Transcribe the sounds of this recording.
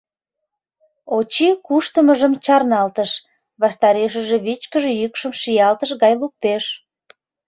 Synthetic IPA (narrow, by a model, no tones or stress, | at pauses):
ot͡ɕikuʃt̪əməʒəmt͡ɕɑrnɑlt̪əʃ | βɑʃt̪ɑɾeʃəʒeβit͡ɕkəʒejykʃəmʃijɑlt̪əʃɣɑjluk̚t̪eʃ